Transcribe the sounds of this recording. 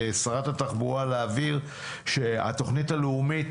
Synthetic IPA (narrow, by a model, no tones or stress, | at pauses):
saʁatataχbualeaviʁ | ʃe̞a̰to̞χnitaleumit